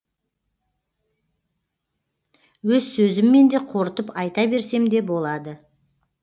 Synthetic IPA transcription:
wɵzsɵzɪmːe̞nd̪e̞qʰo̞ɾt̪əpɑjt̪ɑbe̞ɾse̞md̪e̞bo̞lˠɑd̪ə

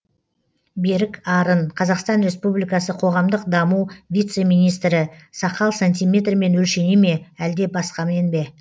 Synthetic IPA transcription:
be̞ɾɪkɑɾənqʰɑzɑqst̪ɑnɾe̞spublijkɑsəqʰo̞ʁɑmd̪əqd̪ɑmuwvʲijt̪se̞mijnijst̪ɾɪsɑqɑlˠsanʲt̪ʲijmʲe̞t̪rme̞nwɵlʃe̞neme̞æld̪e̞bɑsqɑme̞nbe̞

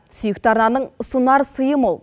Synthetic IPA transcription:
sʏjɪk̚t̪ɑɾnɑnəɴʊsunɑɾəsəjəmolˠ

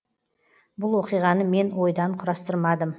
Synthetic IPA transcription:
bʊlˠwoqijʁɑnəme̞nwo̞jd̪ɑɴqʰʊɾɑst̪əɾmɑd̪əm

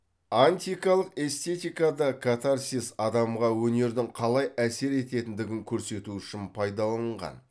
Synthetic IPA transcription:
anʲt̪ʲijkɑlˠəqe̞st̪e̞t̪ijkɑd̪ɑkʰat̪arsʲisɑd̪ɑmʁɑwɵne̞ɾd̪ɪŋqʰɑlˠɑjæse̞ɾe̞t̪e̞t̪ɪnd̪ɪɡʲɪŋkʲʰɵɾse̞t̪uʏʃɪnpʰɑjd̪ɑlˠɑəɴʁɑ̰n

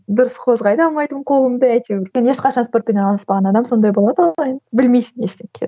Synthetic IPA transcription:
d̪ʊɾəsqʰo̞zʁɑjd̪əɑlˠmɑjt̪əmqʰo̞lˠəmd̪əæjt̪ewɵɾkʲene̞ʃqɑʃɑnspo̞rt̪̚peneɑlˠɑspɑʁɑnɑd̪ɑmso̞nd̪ɑjbo̞lˠɑd̪ɑɑjənbɪlmejsɪne̞ʃt̪eŋkʲʰḛ

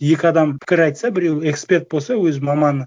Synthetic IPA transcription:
je̞kʲɪɑd̪ɑmpʰɪ̥kʲɪɾɑjt̪sɑbɪɾʲewe̞kspʲe̞rt̪̚bosɑwɵzmɑmɑnə

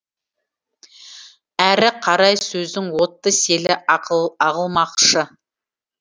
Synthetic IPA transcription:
æɾɪqʰɑɾɑjsɵzd̪ɪŋwo̞t̪ːəse̞lɪɑʁəlˠmɑqʃə

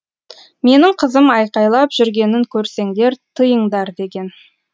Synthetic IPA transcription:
me̞nɪɴqʰəzəmɑjqɑjlˠɑpʒ̥ʏɾɡʲe̞nɪŋkʲʰɵɾse̞ŋd̪e̞ɾt̪ʰəjəɴd̪ɑɾd̪e̞ɡʲe̞n

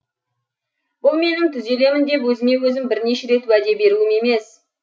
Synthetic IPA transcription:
b̥ʊlˠme̞nɪmt̪ʰʏze̞le̞mɪnd̪e̞pwɵzɪme̞wɵzɪmbɪɾne̞ʃe̞ɾe̞t̪wæd̪e̞be̞ɾuɪme̞me̞s

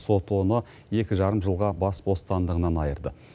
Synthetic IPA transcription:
so̞t̪onə | je̞kʲɪʒɑɾəmʒəlˠʁɑbɑsbo̞st̪ɑnd̪əʁənɑnɑjəɾd̪ə

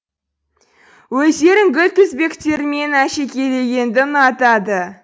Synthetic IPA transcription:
wɵzd̪e̞ɾɪŋɡʲʏlt̪ʰʏzbe̞kt̪e̞ɾɪme̞næʃekʲʰe̞le̞ɡʲe̞nd̪ɪnɑt̪ɑd̪ə

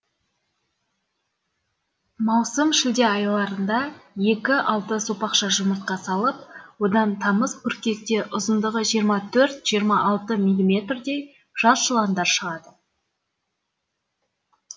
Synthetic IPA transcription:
mɑwsəmʃɪld̪e̞ɑjlˠɑɾənd̪ɑje̞kʲɪʔɑlˠt̪əsopɑqʃɑʒʊməɾt̪̚qɑsɑlˠəp̚wo̞d̪ɑnt̪ʰɑməzpʲʰʏɾkʲe̞k̚t̪e̞ʔʊzənd̪əʁəʒijəɾmɑt̪ʰɵɾt̪ʒ̥ijəɾmɑʔɑlˠt̪əmʲilʲːimʲe̞t̪rd̪e̞j | ʒ̥ɑzʒəlˠɑnd̪ɑɾʃəʁɑd̪ə

